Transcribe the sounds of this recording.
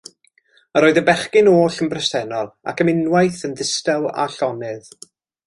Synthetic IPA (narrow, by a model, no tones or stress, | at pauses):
əɾoːɨðəbɛχkɪnoːɬənbrɛstʰɛnɔlˠa̰kʰəmɪnwajθənðɪstɛlˠa̰ɬɔnɨð